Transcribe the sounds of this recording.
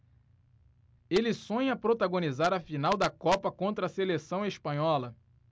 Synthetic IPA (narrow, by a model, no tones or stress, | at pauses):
elɪsõɲɐpɾot̪aɡõnizaɾɐfinawd̪ɐkɔpɐkõnt̪ɾɐselesɐ̃w̃espɐ̃ɲɔlɐ